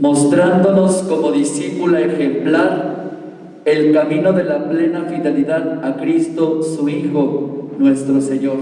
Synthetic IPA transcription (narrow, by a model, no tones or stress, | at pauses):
mo̞st̪ɾand̪o̞no̞sko̞mo̞ðisipulaexe̞mplaɾ | e̞lkamĩno̞ðe̞laple̞nafiðe̞liðaðakɾist̪o̞suixo̞nwe̞st̪ɾo̞seɲo̞ɾ